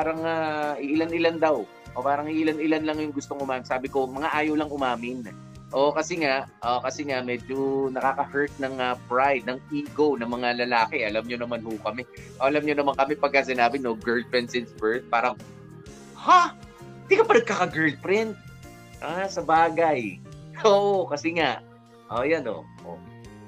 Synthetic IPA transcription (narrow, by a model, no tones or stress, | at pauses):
paːɾɐŋaʔɪʔɪlanɪland̪ɐw | ʔopaːɾɐŋɪʔɪlanɪlanlɐŋjʊŋɡʊst̪o̞ŋʔʊmaːmɪnsaːbɪko̞mɐŋaʔaːjɐwlɐŋʔʊmaːmɪn | ʔokɐsɛŋaʔʔokɐsɛŋaʔmɛːd͡ʒonɐkaːkɐhɛɹt̪̚nɐŋɐpɹajd̪̚nɐŋʔiːɡownɐŋmɐŋalɐlaːkɛʔɐlamɲonɐmanhokɐmɛʔoʔɐlamɲonɐmaŋkɐmɛpɐɡ̚kːas̬ɪnaːbɪnoɡɛɹld̪̚pɹɪnt̪sɪnsbɛɹt̪̚paːɾɐŋ | ha | ɪd̪ikɐpɐnɐɡ̚kakɐɡɛɹld̪̚pɾɪnt̪̚ | ʔasɐbaːɡɐjoːʔokɐsɛŋaʔ | ʔoːjɐno̰ | ʔo̰